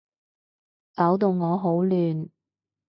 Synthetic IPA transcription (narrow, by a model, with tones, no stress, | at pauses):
ka˨˥wt̪o˨˧wŋɔː˨˧ɦo˨˥wlyː˨n